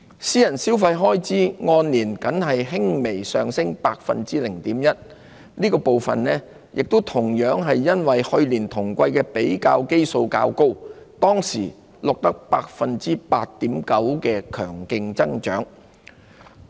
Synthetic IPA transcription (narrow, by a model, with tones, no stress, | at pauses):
siː˥jɐ˨˩nsiː˥wfɐ˧jɦɔː˥jt͡siː˥ŋɔː˧nliː˨˩nkɐ˨˥nɦɐ˨jɦɪ˥ŋme˨˩jsœ̰ː˨ŋsɪ˥ŋpaː˧k̚fɐ̰˨nt͡siː˥lɪ˨˩ŋt̪iː˨˥mjɐ˥t̚ | niː˥kɔː˧po˨wfɐ̰˨nlɛː˥ | jɪ˨k̚t̪o˥wt̪ʰʊ˨˩ŋjœː˨˥ŋɦɐ˨jːɐ˥nwɐ˨jhɵ˧ɥliː˨˩nt̪ʰʊ˨˩ŋkʷɐ˧jkɛː˧pe˨˥jkaː˧wke˥jso˧wka̰ː˧wko˥wt̪ɔː˥ŋsḭː˨˩ | lʊ˨k̚t̪ɐ˥k̚paː˧k̚fɐ˨nt͡siː˥paː˧t̚t̪iː˨˥mkɐ˨˥wkɛː˧kʰœ̰ː˨˩ŋkɪ˧ŋt͡sɐ˥ŋt͡ʃœ̰ː˨˥ŋ